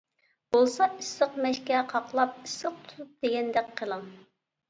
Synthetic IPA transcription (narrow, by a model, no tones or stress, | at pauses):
b̥olˠsɑisɨqmɛʃkʲɛqʰɑqlˠɑp̚isɨq̚t̪ʰu̥t̪up̚d̪̥eɡʲɛnd̪ɛkʲqʰːəlˠɨŋ